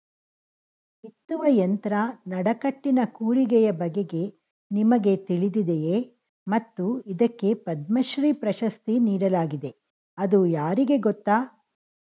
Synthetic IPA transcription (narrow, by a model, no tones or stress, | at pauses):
it̪ːuʋɐjɐnt̪ɐɾɐnɐɽɐkɐʈːinɐkuːɭiɡɛjɐbɐɡe̞ɡe̞ | nimɐɡe̞t̪iɭid̪id̪eje | mɐt̪ːuid̪ɐkːe̞pɐd̪mɐʃɾiːpɾɐʃɐst̪iniːɽɐlaːɡid̪e̞ | ɐd̪ujaːɾiɡe̞ɡɔt̪ːaː